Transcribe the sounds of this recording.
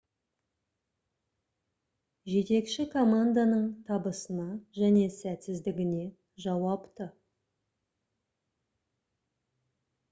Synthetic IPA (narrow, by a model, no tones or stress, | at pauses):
ʒe̞t̪e̞kʃɪkʰo̞mand̪anəɴt̪ʰɑbəsənɑʒæne̞sæt̪sɪzd̪ɪɡʲɪne̞ | ʒɑwɑpt̪ə